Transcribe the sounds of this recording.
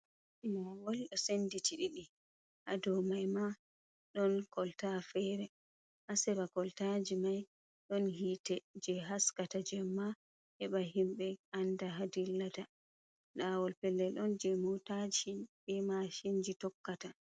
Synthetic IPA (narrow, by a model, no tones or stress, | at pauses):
mawɔlɗɔsenditiɗiɗi | hadɔmajma | ɗɔnkɔltafɛɾɛ | ʔasɛbakɔltad͡ʒimaj | ɗɔnhiːtɛd͡ʒɛɦaskatad͡ʒɛmːa | hɛɓaɦimɓɛandaɦadilːata | ɗawɔlpɛlːɛɗɔnd͡ʒɛmotad͡ʒiɓɛmaʃind͡ʒitɔkːata